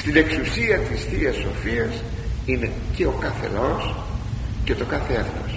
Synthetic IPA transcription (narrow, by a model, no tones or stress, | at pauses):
st̪ine̞ksusiɐt̪isθiɐso̞fiɐs | ine̞ | ce̞o̞kɐθe̞̰los | ce̞t̪o̞kɐθeeθno̰s